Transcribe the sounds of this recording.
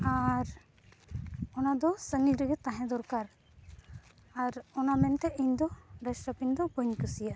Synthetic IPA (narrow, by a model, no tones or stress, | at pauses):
aɾ | ɔnad̪ɔsəŋiɾəɡɛt̪ãɦɛ̃d̪ɔɾkaɾ | aɾɔnamɛnt̪ɛʔiɲd̪ɔɾɛsʈɾapiɲd̪ɔbəɲkəsijaʔ